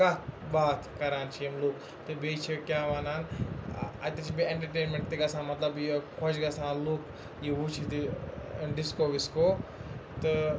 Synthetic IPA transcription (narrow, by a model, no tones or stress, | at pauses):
ɐbaːt̪ʰkɐɾaːnt͡ʃʰijemluk | t̪ɨbeːt͡ʃʰikʲjaːʋaːnaːn | ɐ̰t̪et͡ʃʰibieɳʈɐɾʈeːnmẽɳʈt̪iɡɐsãːmɐt̪lɐbjikʰod͡ʒɡɐsãːluːk | jiʋut͡ʃʰit̪i | ɖiskoːʋiskoːt̪ɨ